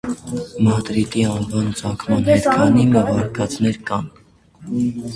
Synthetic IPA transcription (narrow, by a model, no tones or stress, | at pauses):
mɑt̪ɾit̪iɑnvɑnt͡sʰɑkʰmɑnhɛɛt̪kʰɑnimɛvɑɾkʰɑt͡snɛɾkɑn